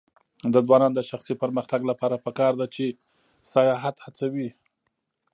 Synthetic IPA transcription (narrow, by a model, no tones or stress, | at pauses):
d̪ədwɑnɑnd̪əʃaxsipəɾməxt̪aɡlapɑɾapəkɑɾd̪at͡ʃe | sajɑɦat̪hat͡sawi